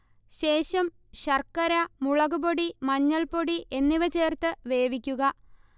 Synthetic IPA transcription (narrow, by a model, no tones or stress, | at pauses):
ɕe̞ːɕɐm | ɕɐrkːɐɾɐmuɭɐɣuboɽimɐɲːɐlpoɽiʔe̞nːiʋɐt͡ɕe̞ːrt̪ɨʋe̞ːʋikʲːuɣɐ